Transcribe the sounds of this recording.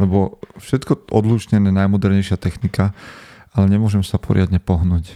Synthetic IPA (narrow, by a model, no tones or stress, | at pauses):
lɛbɔfʃɛt̪kɔɔ̰d̪luʃɲɛnɛnajmɔd̪ɛɾɲɛjʃɪat̪ɛxnika | alɛɲɛmʊɔʒɛmsapʰɔ̰ɾɪad̪ɲɛpɔɦnuːc